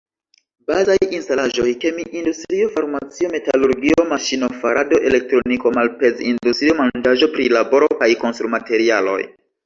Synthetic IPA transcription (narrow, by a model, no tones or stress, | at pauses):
bazajinstalaʒo̞jke̞miʔindustɾio̞faɾmat͡sio̞me̞taluɾɡio̞maʃino̞faɾado̞ʔe̞le̞k̚tɾo̞niko̞malpe̞zindustɾio̞mand͡ʒaʒo̞pɾilabo̞ɾo̞kajko̞nstɾumate̞ɾialo̞̰j